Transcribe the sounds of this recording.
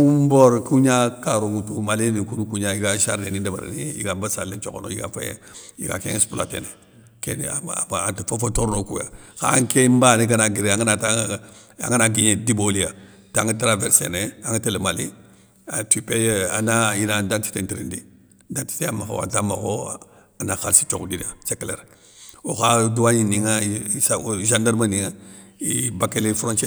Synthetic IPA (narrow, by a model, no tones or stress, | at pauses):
umboɾkuɲakaɾuŋutumalinikunukuɲaiɡaʃaɾdenidaba̰ɾ̰niḭɡabasalet͡ʃoko̰no̰iɡa̰fajḛ | ḭɡa̰kḛŋspula̰tḛne | kḛn̰antifofotoɾnokuja̰ka̰ŋkembaniɡanaɡiɾeaŋanata | a̰ŋanaɡiɲedibolia | taŋətɾaveɾsḛneaŋatelemali | a̰tipeja̰najinadanti̥tentiɾḭndi | danti̥teamaxo̰wa̰tama̰xo | anaxalsi̥t͡ʃoɡudiniat͡ʃekleɾ | oxaduwaɲiniŋasaʒandaɾmaniŋaibakelefuɾõnt͡ʃe